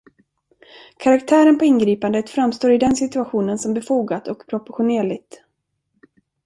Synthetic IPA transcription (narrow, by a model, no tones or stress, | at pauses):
kʰaɾakt̪ʰæːɾənpʰɔɪnɡɾiːpand̪ət̪fɾamst̪oːɾɪd̪ɛnsɪt̪ɵaɧuːnənsɔmbɛfuːɡat̪ɔkpʰɾɔpɔɧʊneːɭɪɡ̚t̪